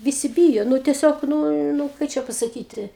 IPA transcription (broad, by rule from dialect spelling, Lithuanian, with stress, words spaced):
ʋʲɪˈsʲɪ ˈbʲiːjoː ˈnʊ tʲɛˈsʲoːk ˈnuː nʊ ˈkɐɪ t͡ʃʲɛ pɐsɐˈkʲiːtʲɪ